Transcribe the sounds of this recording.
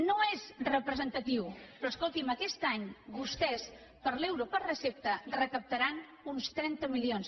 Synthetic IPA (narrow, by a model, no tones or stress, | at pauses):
noezrəpɾəzənt̪ət̪iwpɾɔskolˠt̪iməkɛst̪aɲbust̪ɛs | pəɾlɛwɾopəɾrəsep̚t̪ərəkəp̚t̪əɾan | unst̪ɾɛnt̪əmilions